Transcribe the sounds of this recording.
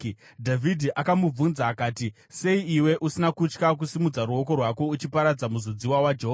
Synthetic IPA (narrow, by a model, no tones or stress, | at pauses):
dʱavʱidʱiʔakamub͡vunzaːkaːti | se̞iiwe̞ʔusinakut͡ʃkak̬usimud͡zaɾuo̞ko̞rwako̞ut͡ʃipaɾad͡zamuzod͡ziwawad͡ʒeɦo